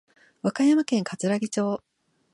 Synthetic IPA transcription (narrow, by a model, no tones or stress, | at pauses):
βakajamakẽ̞ŋkat͡sɨɾaɡʲit͡ɕo̞ː